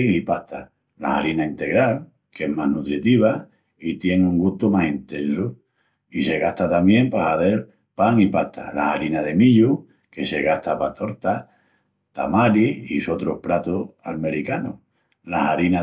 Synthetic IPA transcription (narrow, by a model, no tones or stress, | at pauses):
ipaht̪a | la̰haɾinaint̪e̞ɣɾal | ke̞ɦmaɦnut̪ɾit̪iβ̞a | it̪je̞ŋuŋɡuht̪omasint̪ẽ̞nso | ise̞ɣaht̪at̪amjẽ̞mpahaðe̞ɾ | paŋipaht̪ʰa̰la̰haɾinaðe̞miʎu | ke̞se̞ɣaht̪apat̪o̞ɾt̪a | t̪a̰maɾiiso̞t̪ɾohpɾat̪oalme̞ɾikano̰ | lahaɾina